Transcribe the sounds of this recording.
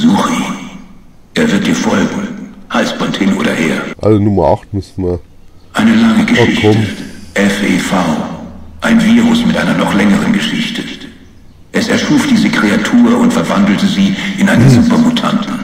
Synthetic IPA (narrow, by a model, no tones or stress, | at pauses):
zuːʁi | ʔeːɐvɪɐt̚d̥iːɐfɔlɡŋ̩haɪsb̥ɔnthɪnʔo̰ːdɐheːɐʔalənʊmɐʔaχt̚mɪsmɐ | ʔaɪnəlaŋəɡəʃɪçkʰɔtmʔɛfefaʊʔaɪnviːʁʊsmɪtʔaɪnɐnɔχlɛŋəʁənɡəʃɪçtʰə | ʔɛsɛɐʃuːfd̥iːzəkʁ̥eatʰuːɐʊntfɛɐvandl̩təziːʔɪnʔaɪnənzuːpɐmutʰa̰ntn̩